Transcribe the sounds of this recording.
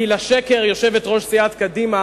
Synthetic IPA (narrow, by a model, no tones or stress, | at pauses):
ilaʃeke̞ʁjo̞ʃe̞vetʁo̞ʃsiat̪kadima